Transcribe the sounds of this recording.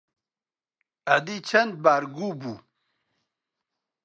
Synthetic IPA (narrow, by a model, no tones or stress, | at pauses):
ad̪it͡ɕʰɐnd̪̚baːɾɡuːbu